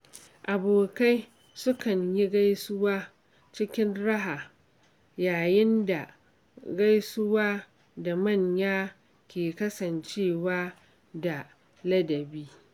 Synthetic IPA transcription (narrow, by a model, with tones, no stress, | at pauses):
ʔa˨boː˨ka˦j | sʊ˦kɐ˨ɲji˦ɡa˦jsʊ˦waː˦ | t͡ʃɪ˦kʲɪ˦nɽɐ˦ɦaː˨ | jaː˨jɪ˦nda˨ | ɡa˦jsʊ˦waː˦ | da˨mɐ˦˨ɲjaː˦ | kʲeː˨kɐ˦sɐ˨nt͡ʃeː˦˨waː˦ | da˨ | lɐ˦dɐ˨biː˦